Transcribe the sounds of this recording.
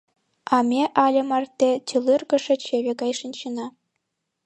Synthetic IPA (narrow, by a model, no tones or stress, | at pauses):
ɑmʲeʔɑlʲɤ̆mɑrt̪ʲːet͡ɕʲɯlʲˠɯrɡɤ̆ʂɘ̆t͡ɕeʋʲĕɡɑjʂĭnɕɯnɑ